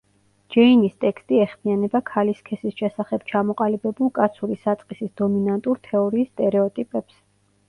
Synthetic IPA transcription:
d͡ʒɛinist̪ʼɛkst̪ʼiɛχmianɛbakʰaliskʰɛsisʃɛsaχɛb̥t͡ʃʰamɔqʼalibɛbulˠkʼat̪sʰuɾisat̪sʼqʼisisd̪ɔminant̪ʼuɾt̪ʰɛɔɾiːst̪ʼɛɾɛɔt̪ʼipʼɛps

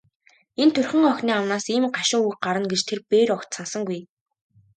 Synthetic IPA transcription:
ent̪ʰɵrʲxʲɘ̆ŋɔxʲniːawnaːsiːmɢaʃɪ̆ŋuɢaɾə̆nɡet͡ɕt̪ʰerpeːɾɔkt̪sănsə̆ŋɡuj

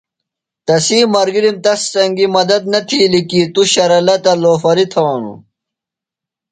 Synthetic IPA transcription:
t̪ɐsiːmɐɾɡiɾimt̪ɐst͡sɐŋɡimɐd̪ɐd̪̚nɐt̪ʰilikit̪uɕɐɾɐlɐt̪ɐloːfɐɾit̪ʰɐɐnṵ

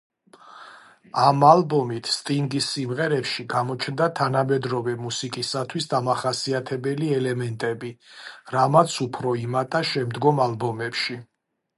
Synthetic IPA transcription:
amalbɔmit̪ʰst̪ʼiŋɡisːimʁɛɾɛpʃiɡamɔt͡ʃʰnd̪at̪ʰanamɛd̪ɾɔvɛmusikʼisat̪ʰwisd̪amaχasiat̪ʰɛbɛliɛlɛmɛnt̪ʼɛbiɾamat̪sʰupʰɾɔimat̪ʼaʃɛmd̪ɡɔmalˠbɔmɛpʃi

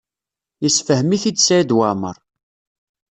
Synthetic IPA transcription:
jəsfəhəmiθid̪sæid̪wamə̰ɾˤ

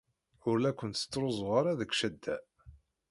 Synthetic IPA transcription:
ʊɾlækʷːənt̪sə̥t͡sːɾˤozˤʁaɾˤaðəkʷʃæd̪ːæ̰

